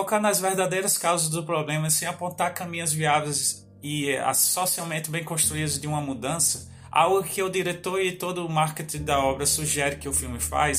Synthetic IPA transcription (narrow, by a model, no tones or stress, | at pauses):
ɔkanɐzveɾd̪ad̪ejɾɐskawzɐzd̪ʊpɾoblẽmɐsẽj̃apõnt̪aɾkɐ̃mĩɲɐzviavejz | ɪa̰sosiawmẽnt̪ɪbẽj̃kõst̪ɾuid̪ʊzd̪ɪũmɐmud̪ɐ̃sɐ | a̰wɡʊkɪʊd̪iɾet̪oɾɪt̪od̪ʊːmaɾket̪ĩd̪ɐɔbɾɐsuʒɛɾɪkɪʊfiwmɪfa̰js